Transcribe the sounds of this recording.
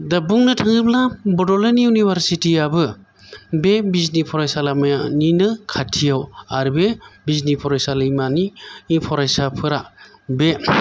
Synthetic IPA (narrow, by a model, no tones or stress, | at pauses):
dabuŋnɯtʰaŋɯplabɔdɔleniunibʱaɾsitiabɯ | bebiznipʰɔɾajsalamajaninɯkʰatʰijawaɾbebiznipʰɔɾajsalɯjmaniːŋpʰɔɾajsapʰɯɾa | be